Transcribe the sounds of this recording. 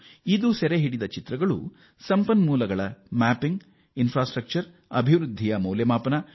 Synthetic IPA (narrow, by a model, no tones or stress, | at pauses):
id̪usɛɾeɦiɽid̪ɐt͡ʃit̪ɾɐɡɐɭṵ | sɐmpɐnmuːlɐɡɐɭɐmaːpiŋɡ | inpʰɾaːsʈɾɐk̚t͡ʃɐɾ | ɐ̰bʱiʋɾud̪ʱːijɐmɐwljɐmaːpɐnɐ